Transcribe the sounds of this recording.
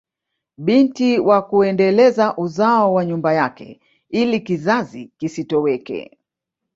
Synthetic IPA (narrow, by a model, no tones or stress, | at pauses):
ɓintiwakuɛndɛlɛzaʔuzaɔwaɲumbajakɛ̰ | ilikizazikisitɔwɛkɛ̰